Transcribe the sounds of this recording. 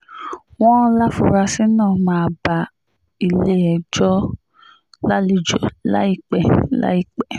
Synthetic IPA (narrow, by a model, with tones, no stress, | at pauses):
w̃ɔ̃˦la˦fu˧ɾa˧sĩ˦nã˦˨mãː˨˦˨ba˨ | i˧le˦ɛ˨d͡ʒɔ˦ | la˦li˦˨d͡ʒo˨la̰˦i˧˨k͡pɛ˨la̰˦i˦˨k͡pɛ˨